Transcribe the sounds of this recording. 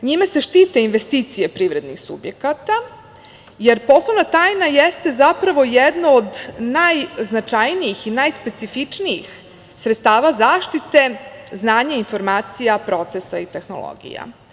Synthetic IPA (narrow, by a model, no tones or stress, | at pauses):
ɲimase̞ʃt̪iːt̪einʋest̪iːt̪sijepɾiːʋɾe̞d̪nixsṵbjekat̪a | jeɾpo̞slˠoʋnat̪aːjnajest̪e̞zapɾaʋo̞jed̪nood̪najznat͡ʂajnijixinajspe̞t̪sifit͡ʂniix | sɾet̪st̪aːʋazaːʃt̪it̪e̞znaːɲainfo̞ɾmaːt̪sijapɾo̞t̪sesait̪e̞xno̰lo̰ɡḭja̰